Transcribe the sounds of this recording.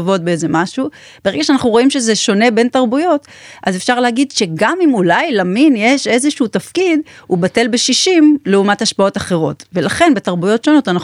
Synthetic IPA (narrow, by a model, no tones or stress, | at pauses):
vo̞t̚beezemaʃu | beeɡaʃeanaχnuʁo̞imʃe̞zeʃo̞ne̞be̞ntaʁbujo̞t | ʔazefʃaʁlehaɡidʃe̞ɡamimulajlaminjeʃe̞zeʃuutafkidubate̞lbeʃiʃimleumathaʃpao̞taχe̞ʁo̞̰tve̞laχe̞nbetaʁbujo̞tʃo̞no̞tana